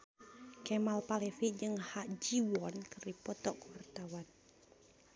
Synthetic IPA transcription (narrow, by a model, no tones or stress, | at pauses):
kɛmalpalɛfiʔd͡ʒɨŋhaʔd͡ʒiwɔnkɨrdipɔt̪ɔkuwart̪awan